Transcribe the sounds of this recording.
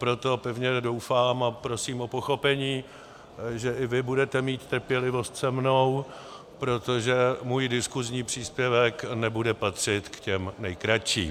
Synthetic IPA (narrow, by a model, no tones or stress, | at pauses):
pɾo̞t̪o̞pɛvɲɛdo̞wfaːmapɾo̞siːmʔo̞po̞xo̞pɛɲiː | ʒɛʔɪvɪbudɛt̪ɛmiːt̪ːr̩pjɛlɪvo̞st̪sɛmno̞w | pɾo̞t̪o̞ʒɛmuːjdɪskuzɲiːpr̝̥iːspjɛvɛknɛbudɛpat̪r̝̥ɪt̪kcɛmnɛjkɾat͡ʃḭː